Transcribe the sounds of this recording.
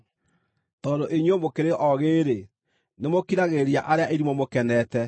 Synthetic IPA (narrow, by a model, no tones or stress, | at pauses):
tɔːdoʔeɲomokeɾeʔɔɣeːɾe | nemokiɾaɣeɾjaʔaɾeaʔeɾimɔmokɛnɛtɛ